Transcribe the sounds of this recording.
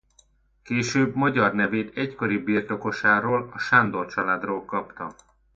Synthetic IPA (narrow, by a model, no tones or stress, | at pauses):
keːʃøːbmɒɟɒrnɛveːt̪ɛcko̞ɾibiːrt̪o̞ko̞ʃaːɾoːlɒʃand̪ort͡ʃɒlaːd̪roːlkɒpt̪ɒ